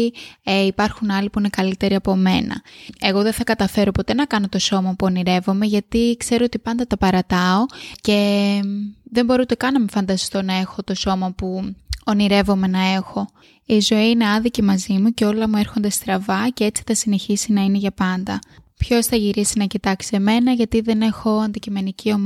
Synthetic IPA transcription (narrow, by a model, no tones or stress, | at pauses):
ipɐɾxunɐlipuine̞kɐlit̪e̞ɾiɐpo̞me̞nɐ̰e̞ɣo̞ðe̞nθɐkɐt̪ɐfe̞ɾo̞po̞t̪e̞nɐkɐno̞t̪o̞so̞mɐpuoniɾe̞vo̞me̞ʝɐt̪ikse̞ɾoot̪ipɐnd̪ɐt̪ɐpɐɾɐt̪ɐo̞ce̞ | ðe̞mbo̞ɾut̪ekɐnɐmefɐnd̪ɐst̪o̞nɐe̞xo̞t̪o̞so̞mɐpuoniɾe̞vo̞me̞nɐe̞xo̞ | izo̞iine̞ɐnðicimɐzimuce̞o̞lɐmue̞ɾxo̞nd̪e̞st̪ɾɐvɐcee̞t͡si̥θɐsine̞çisinɐine̞ʝɐpɐnd̪ɐpço̞sθɐʝiɾisinɐcit̪ɐksieme̞nɐʝɐt̪iðe̞ne̞xo̞ɐnd̪icime̞nicio̞m